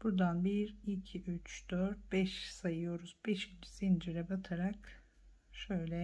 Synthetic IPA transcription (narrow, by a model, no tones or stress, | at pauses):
b̥uɾd̪anbiɾicʰiyt͡ʃd̪̥øɾt̪̚bɛʃsajɯjo̞ɾuzbɛʃit͡ʃʰi̥z̥ind͡ʒiɾɛbat̪ʰaɾak | ʃøjlʲɛ